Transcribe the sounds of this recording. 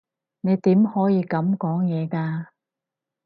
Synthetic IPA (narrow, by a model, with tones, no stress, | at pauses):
ne˨˧jt̪iː˨˥mhɔː˨˥jiː˨˧kɐ˨˥mkɔː˨˥ŋjɛː˨˧kaː˧